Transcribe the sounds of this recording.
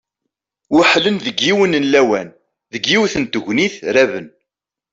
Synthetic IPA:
wʊħlənðəɡːiwənənlæwæn | ðəɡːiwθənt̪əʝʷniθɾævən

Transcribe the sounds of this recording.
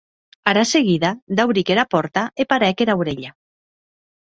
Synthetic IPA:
aɾaseɣiðad̪awɾikeɾapɔɾt̪aepaɾɛkeɾawɾeʎa

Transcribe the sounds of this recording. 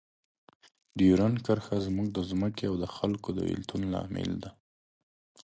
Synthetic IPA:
ɖiɾankəɾxazmuɡ̚d̪əzməkeawd̪əxalkod̪ə̰ḭlt̪unlɑ̰mɪ̰ld̪a

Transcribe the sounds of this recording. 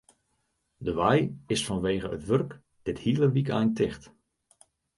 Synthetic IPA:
dəʋajɪsfɔnʋeːɣəətʋɵrk | d̥ɪthiələʋikɛ̰jntɪχt

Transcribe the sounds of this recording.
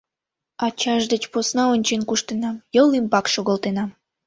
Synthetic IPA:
ɑt͡ɕɑʒd̪et͡ɕposnɑonʲt͡ɕenkuʃt̪enɑmjəlimpɑkʃoɣəlt̪enɑm

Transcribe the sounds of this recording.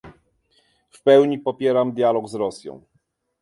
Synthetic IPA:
fpɛwɲipɔpʲjɛɾamd̪ʲjalɔɡzɾɔsʲjɔ̰̃w̃

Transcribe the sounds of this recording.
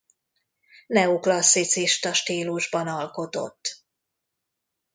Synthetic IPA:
nɛuklɒsːit̪siʃt̪ɒʃt̪iːluʒbɒnɒlko̞t̪o̞̰t̪ː

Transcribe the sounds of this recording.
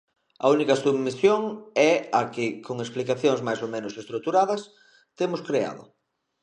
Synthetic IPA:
ɐ̰unikɐsuβmisjoŋɛakɪkoŋesplikaθjoŋzmajsomẽnʊsest̪ɾuk̚t̪uɾaðɐs | t̪emʊskɾea̰ðʊ̰

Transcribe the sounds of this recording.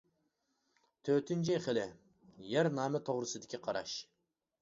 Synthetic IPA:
t̪ʰøt̪ʰynt͡ʃʰiχəlɪ | jæɾnɑːmɛt̪ʰoʁɾɨsɨd̪ɪkʲiqʰɑɾɑ̰ʃ

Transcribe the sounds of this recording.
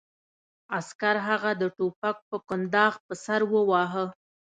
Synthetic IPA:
askaɾɦaɣad̪əʈopak̚pəkʊnd̪ɑɣpəsaɾwəwɑɦə

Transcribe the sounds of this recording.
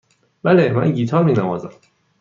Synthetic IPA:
b̥ælemæ̰nɟiːt̪ʰɒːɾmiːnævɒːzæ̰m

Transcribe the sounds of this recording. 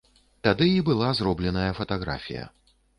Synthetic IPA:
t̪ad̪ɨibɨlˠazrɔblʲɛnɐjɐfɐt̪aɣɾa̰fʲḭjɐ̰

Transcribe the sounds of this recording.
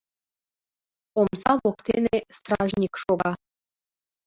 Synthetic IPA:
omzɑβokt̪enest̪rɑʒnʲikʃoɣɑ

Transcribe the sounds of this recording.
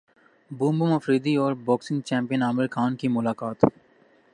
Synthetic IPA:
bũːmbʊmɐfɾiːd̪iɔːɾbɔːksɪ̃ŋɡt͡ʃɛ̃ːmpijənaːmɪlxʰaːnkimʊlaːkaːt̪

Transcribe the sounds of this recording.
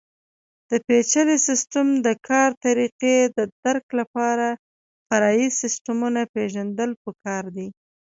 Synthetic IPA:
d̪̥əpet͡ʃalesɪsʈamd̪əkʰɑɾt̪aɾiqed̪əd̪̥aɾklapɑɾa | faɾɑjisɪsʈamunapeʒand̪əlpəkɑɾd̪i

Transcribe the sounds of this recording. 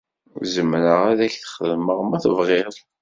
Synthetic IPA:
zəmɾəʁæðæçθχəðməʁmæθəvʁɪɾˤ

